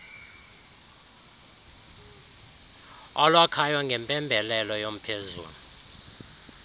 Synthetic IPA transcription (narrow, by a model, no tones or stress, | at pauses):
ɔlwakʰajwaŋɡʱɛmpʼɛmbʱɛlɛlɔjom̩pʰezṵːlu